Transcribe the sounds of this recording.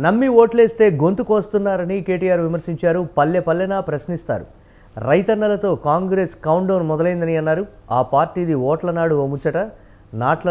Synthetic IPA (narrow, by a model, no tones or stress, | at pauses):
nɐmːioːʈle̞ːst̪e̞ːɡo̞nt̪ukoːst̪unːaːɾɐnike̞ːʈijaːɾʋimɐɾsiɲt͡ʃaːɾupɐljɐpɐlːɐnaːpɾɐʃnist̪a̰ːɾṵ | ɾɐjt̪ɐnːɐlɐt̪o̞ːkaːŋɡɾe̞ːskɐwɳɖɐwnmɔd̪ɐlɐjind̪ɐniɐnːaːɾuaːpaːɾʈiːd̪iʋɔːʈlɐnaːɽuomut͡ʃːɐʈɐ | naːʈlɐ